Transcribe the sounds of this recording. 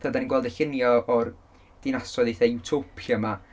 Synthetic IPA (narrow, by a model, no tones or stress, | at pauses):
θədaninɡwɛlˠdəɬɪnjɔʔːr | d̥ɪnasɔðiθewtʰopʰəma